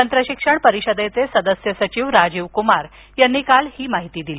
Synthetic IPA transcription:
t̪ənt̪ɾəɕikʂəɳpəɾiɕəd̪et͡sesəd̪əsjəsət͡ɕiːʋɾad͡ʑiʋkumaɾ | janːiːkalhiːmaɦit̪iːd̪ili

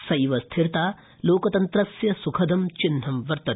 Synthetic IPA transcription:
sɐjʋɐst̪ʰiɾt̪aː | loːkɐt̪ɐnt̪ɾɐsjɐsukʰɐd̪ɐmt͡ʃin̤ːɐmʋɐɾt̪ɐ

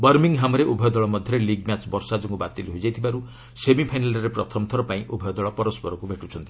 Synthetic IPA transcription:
bʌɾmiŋɦamɾeʔubʱɔjd̪ɔɭɔmɔd̪ʱjɔɾeliɡmat͡ʃbɔɾsad͡ʒɔŋɡubat̪ilɦud͡ʒajt̪ʰibaɾu | semipʰajnalɔɾepɾɔt̪ʰɔmt̪ʰɔɾɔpaĩʔubʱɔjɔd̪ɔɭɔpɔɾɔspɔɾɔkubʱeʈut͡ʃʰɔnt̪i̥

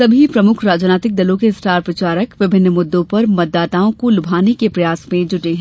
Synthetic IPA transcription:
sɐbʱipɾɐmʊkʰɾaːd͡ʒnaːt̪ɪk̚d̪ɐlõkesʈaːɾpɾɐt͡ʃaːɾəkʋɪbʱɪnːəmʊd̪ːõpɐɾmɐt̪̚ːaːt̪aːõkolʊbʱaːnekepɾɐjaːsmẽd͡ʒʊʈeɦɛ̃

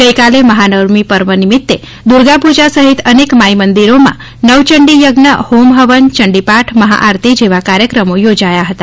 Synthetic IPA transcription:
ɡəjkaleməɦanəɾmipəɾʋənimɪt̪ːe | d̪uɾɡapud͡ʒasəɦit̪ənekmaimənd̪iɾomã̰ | nəʋt͡ʃəɳɖijəɡnəhomɦəʋənt͡ʃəɳɖipaʈʰməɦa̰ʔaɾt̪id͡ʒeʋakaɾjəkɾəmojod͡ʒajaɦət̪a

